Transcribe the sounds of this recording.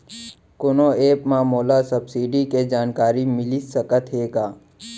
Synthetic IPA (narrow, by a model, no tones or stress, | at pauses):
konoeːpmãːmoːlasəbsiːɖiked͡ʒaːnkaːɾimɪlisəkət̪ɦeːɡaː